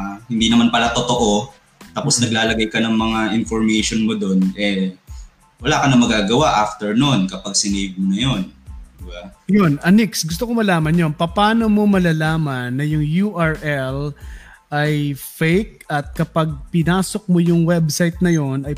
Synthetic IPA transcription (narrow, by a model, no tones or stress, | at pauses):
hɪnd̪iːnɐmanpɐlat̪ot̪o̞ʔo | t̪aːposnɐɡlaːlɐɡajkɐnɐŋmɐŋaʔɪnfoɹmejʃonmod̪onʔɛ | wɐlaːkɐnɐmɐɡaːɡɐwaʔaft̪ɛɹnonkɐpaɡ̚sɪnejv̚monɐjond̪ɪbajonʔɐniksɡʊst̪okomɐlaːmɐnjonpɐpaːno̞mo̞mɐlaːlaːmɐnːɐjʊŋjuʔɐɹʔɛl | ʔajfejk̚ɐt̪̚kɐpɐɡ̚pɪnaːso̞k̚mojʊŋwɛbsajt̪̚nɐjo̞nɐj